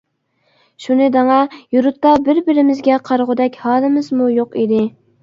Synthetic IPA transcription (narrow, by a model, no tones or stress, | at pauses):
ʃunɪd̪ɑŋɑjuɾut̪ːɑbɪɾbɪɾɪmɪzɡʲɛqʰɑɾʁʊd̪ɛkʲhɑːlˠɨmɪzmujoqid̪ɪ